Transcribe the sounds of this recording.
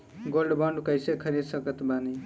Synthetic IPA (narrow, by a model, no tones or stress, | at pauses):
ɡolɖbʌɳɖkʌjsekʰʌɾid̪sʌkʌt̪bani